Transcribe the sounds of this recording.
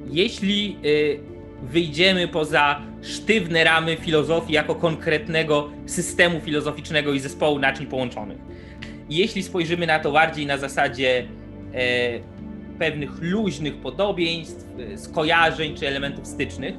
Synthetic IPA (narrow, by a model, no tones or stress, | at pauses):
jɛɕlʲi | vɘjd͡ʑɛmɘpɔza | ʂt̪ɘvnɛɾamɘfʲilɔzɔfʲijakɔkɔŋkɾɛt̪nɛɡɔ | sɘst̪ɛmufʲilɔzɔfʲit͡ʂnɛɡɔizɛspɔwunat͡ʂɲpɔwɔnt͡ʂɔ̰nɘ̰x | jeɕlʲispɔjʐɘmɘnat̪ɔbaɾd͡ʑejnazasad͡ʑɛ | pɛvnɘxluʑnɘxpɔd̪ɔbʲjeɲst̪fskɔjaʐɛɲt͡ʂɘɛlɛmɛnt̪ufst̪ɘt͡ʂnɘx